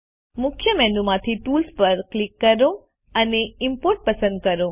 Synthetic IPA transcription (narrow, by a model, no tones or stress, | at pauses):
mʊkʰjəmɛ̃ɳɖumãt̪ʰiʈuːlspəɾklɪkːəɾõ | əneɪmpoɾʈ̚pəsə̃nd̪̚kəɾõ